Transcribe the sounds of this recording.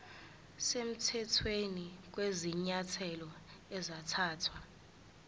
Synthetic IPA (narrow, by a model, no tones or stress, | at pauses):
sem̩tʰɛtʰwenik̬weziɲatʰɛlɔ | ɛzatʰaːtʰwa